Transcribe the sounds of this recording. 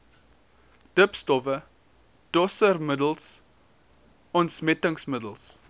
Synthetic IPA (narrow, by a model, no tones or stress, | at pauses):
d̥əpstɔvə | d̥ɔsərmədəlˠs | ɔntsmɛtəŋsmədəlˠs